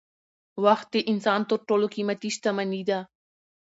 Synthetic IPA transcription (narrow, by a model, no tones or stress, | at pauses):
waxt̪̚d̪eʔɪnsɑːnt̪əɾʈolokimat̪iʃt̪amanid̪a